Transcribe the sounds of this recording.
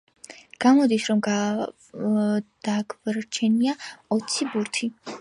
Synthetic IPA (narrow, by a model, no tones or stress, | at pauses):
ɡ̥amɔd̪isɾɔmɡa | d̪̥aɡvɾt͡ʃʰɛniaɔt̪sʰibuɾt̪ʰi